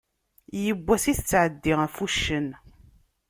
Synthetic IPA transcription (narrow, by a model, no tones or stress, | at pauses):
jəbʷːæsiθət͡sːʕəd̪ːiʁæfuʃːən